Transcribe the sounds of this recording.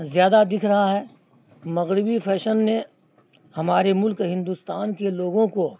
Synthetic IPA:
zjaːd̪ad̪ɪkʰɾɐɦaɦɛː | mɐɣɾɪbifʰɛːʃənːe | hɐmaːɾemʊlkɦɪ̃nd̪ust̪aːnkeloːɡõko

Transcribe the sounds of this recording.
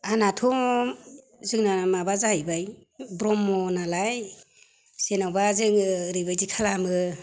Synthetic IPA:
anatʰɔ | zɯŋnamabazahajbaj | bɾɔmɔnalaj | senawbazɯŋɾɯjbajzikʰalamɯ

